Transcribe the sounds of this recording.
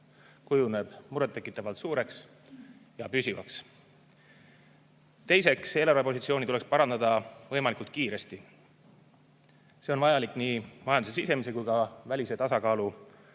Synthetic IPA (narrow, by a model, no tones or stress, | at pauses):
kujune̞b̥muɾet̪ːe̞kːˑit̪ːˑɑvɑlt̪suːɾe̞ks | jɑpysʲivɑ̰ks | t̪e̞jse̞kse̞lɑɾepo̞sit̪sio̞ːnit̪ulekspɑɾɑnd̪ɑd̪ɑvɤjmɑlikult̪̚kiːɾe̞st̪i | se̞o̞nvɑjɑlikːˑniːmɑjɑnd̪use̞sise̞mise̞kujkɑvælʲise̞t̪ɑsɑkɑːlu